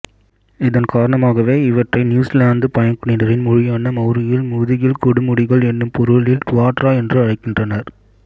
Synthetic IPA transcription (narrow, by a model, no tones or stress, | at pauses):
ɪðɐnkaːɾɐɳɐmaːɣɐʋeːɪʋɐʈrɐɪnjuːslaːnd̪ɯpɐjɐnkɯɳɪɾɐɾɪnmʊɻɪjaːnɐmɐʊɾɪjɪlmʊðɪɣɪlkɔɽʊmʊɽɪɣɐɭɛnːɯmpɔɾɯɭɪlkʊʋaːʈɾaːɛndrɯɐɻɐɪkːɪndrɐnɐɾ